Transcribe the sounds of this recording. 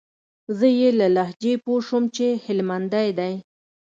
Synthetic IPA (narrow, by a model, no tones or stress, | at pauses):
zəjelalahd͡ʒepoʃəmt͡ʃehɪlmand̪ajd̪aj